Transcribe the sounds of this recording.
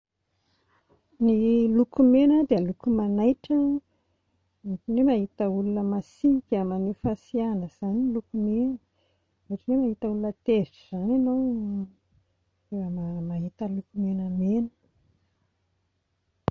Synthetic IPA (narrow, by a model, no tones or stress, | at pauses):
nilukumenəd̪eəlukumanajʈ͡ʂə | ekinemaɦit̪əulunəmasiikʲəmanefasianəz̥anilukumenə | reʈ͡ʂinemaɦit̪əulunət̪eviʈ͡ʂəz̥anenow | emamaɦit̪əlukumenəmenə̥